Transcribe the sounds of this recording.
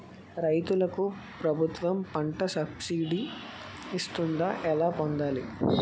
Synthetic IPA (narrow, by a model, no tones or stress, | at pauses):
ɾɐjt̪ulɐku | pɾɐbʱut̪ʋɐmpɐɳʈɐsɐbsiːɖi | ist̪und̪aːʔɛlaːpond̪aːli